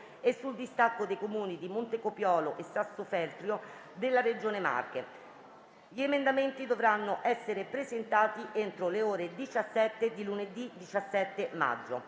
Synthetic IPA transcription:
esːuld̪ist̪akːod̪ejkomuːnid̪imont̪ekopjɔːloʔesːasːofɛrt̪ɾjo | d̪elːared͡ʒoːnema̰rke | ʎiemend̪ament̪id̪ovɾanːoʔɛsːeɾepɾezent̪aːt̪iʔent̪ɾoleoːɾed̪it͡ʃasːɛt̪ːed̪iluned̪id̪it͡ʃasːɛt̪ːema̰d͡ʒːo̰

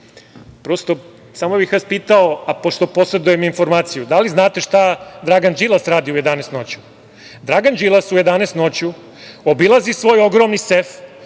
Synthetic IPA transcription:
pɾost̪o̞ | saːmobixʋaːspiːt̪aoapo̞ʃt̪opo̞sɾed̪ujeminfo̞ɾmaːt̪sijud̪aliznaːt̪e̞ʃt̪ad̪ɾaɡand͡ʒilasɾaːd̪iuje̞d̪anest̪no̞t͡ɕu̥ | d̪ɾaɡand͡ʒilˠasujed̪anest̪not͡ɕu | obilˠazisʋo̞ːjo̞ɡɾomnisef

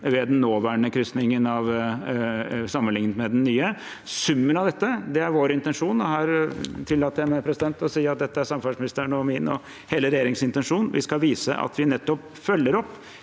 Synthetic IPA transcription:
ʋɛd̪ɛnːoːʋæːɳəkʰɾʏst̪nɪŋənɑʋ | sɑmːənlɪŋnət̪mɛd̪ɛnnːyːə | sʉmːənɑʋd̪ɛt̪ːəd̪ɛæɾʋoːɾɪnt̪ɛnʂuːnɔhɑɾt̪ʰɪlːɑːt̪ːɛmæpʰɾɛsɪd̪ɛnt̪ɔsiːɑt̪̚d̪ɛt̪ːəæɾsɑmfɑʂmɪnɪst̪əɳɔmɪnɔ̰ | heːləɾɛjeːɾɪŋsɪnt̪ɛnʂuːnnʋʔɪ̰skɑʋiːsə̰ʔɑ̰t̪ʰʋɪnɛt̪ːɔp | fœlːəɾɔpː

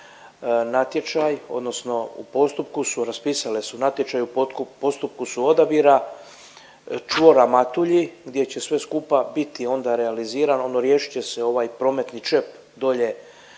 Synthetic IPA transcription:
nat̪je̞t͡ʃajo̞̰d̪no̞sno̞ṵpo̞st̪upkusuɾaspiːsalesunat̪jet͡ʃajup̪kupo̞st̪up̚kusuo̞d̪abiɾa | t͡ʃʋo̞ɾamat̪uʎiɡd̪je̞t͡ɕe̞sʋe̞skuːpabit̪io̞nd̪aɾealiziːɾano̞nːoɾje̞ːʃi̥t͡ɕe̞se̞o̞ʋaːjpɾo̞me̞t̪nit͡ʃe̞p | d̪o̞ʎe̞

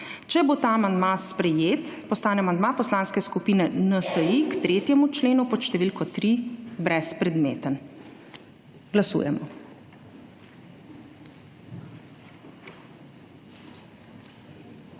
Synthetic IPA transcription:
t͡ʃɛbot̪aamand̪maspɾɛjeːt̪pɔst̪aːnɛamand̪mapɔslanskɛskupiːnɛnəsəjikt̪ɾeːt̪jɛmut͡ʃleːnupɔʃt̪ɛʋilkɔt̪ɾibɾɛspɾɛd̪mḛːt̪ən | ɡlasṵːjɛ̰mɔ

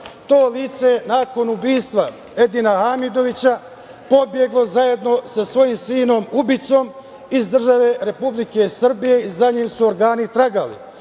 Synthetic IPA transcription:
t̪o̞ːliːt̪se̞naːko̞nubiːst̪ʋa | ed̪inahamid̪o̞ʋit͡ɕa | po̞bje̞ɡlo̞zaje̞d̪no̞sasʋo̞jimsiːno̞mubit̪so̞m | izd̪r̩ʒaʋe̞ɾe̞publike̞sr̩bije̞izaɲiːmsuoɾɡaːnit̪ɾaɡalḭ

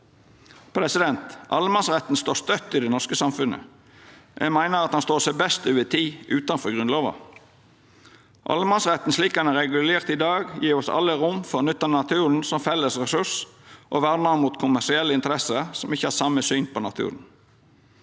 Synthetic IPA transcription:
pʰɾɛsɪd̪ɛnt̪ʔɑ̰lmɑnsʁɛt̪n̩st̪oːst̪œt̪ːɪd̪ɛnɔʁskəsɑmfʉnə̰ | jʔæ̰mæɪnəɾɑt̪hɑnst̪oːsæɪbɛst̪øːʋət̪ʰiːʔʉːt̪ɑnfɔɾɡʁʉnloːʋɑ̰ | ʔɑ̰lmɑnsʁɛt̪n̩sliːkhɑnæɾɛɡʉleːʁt̪ɪd̪ɑːɡjiːɾɔsɑ̰lːəɾʊmfɔɾnʉt̪ːənɑt̪ʰʉːɾn̩sɔmfɛlːəsʁɛsʉsʔɔʋæɾnəmuːt̪kʰʊmæʂɪɛlːəɪnt̪əɾɛsəsɔmɪçːəhɑːsɑməsyːnpʰɔnɑt̪ʰʉ̰ːɾən̩

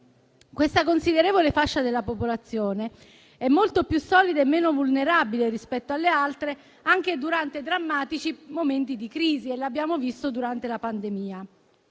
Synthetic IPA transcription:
kwest̪akonsid̪eɾeːvolefaʃːad̪elːapopolat̪sːjoːne | ɛmːolt̪opjusːɔːlid̪aemːeːnovulneɾabileɾispɛt̪ːoalːealt̪ɾe | aŋk̟ed̪uɾant̪ed̪ɾamːaːt̪it͡ʃimoment̪id̪ikɾiːzielːabːjaːmovist̪od̪uɾant̪elapand̪emiːa

